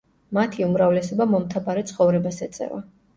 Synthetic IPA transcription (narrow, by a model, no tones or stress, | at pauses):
mat̪ʰiumɾavlɛsɔbamɔmt̪ʰabaɾɛt̪sʰχɔvɾɛbasɛt̪sʼɛ̰va̰